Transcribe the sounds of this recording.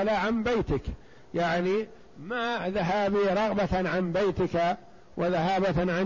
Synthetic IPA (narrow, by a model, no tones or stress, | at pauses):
laʕambajt̪ɪk | jaʕni | maðaɦaːbiɾˤɑɣbaʕanbajt̪ɪka | wʔɪðaɦaːbaʕan